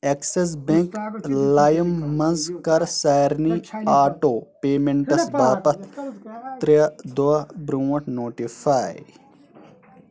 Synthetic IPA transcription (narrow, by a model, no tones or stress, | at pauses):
ekses̬beŋklaːjɐmːɐnzkɐɾsaːɾniːaːʈoːpeːmeɳʈɐsbaːpɐt̪ʰt̪ɾid̪oɐbɾuːɐʈnoːʈifʰaːj